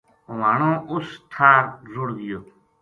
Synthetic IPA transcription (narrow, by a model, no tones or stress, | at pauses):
ʋaːɳõːʔʊst̪ʰaːɾzʊɽɡɪjoː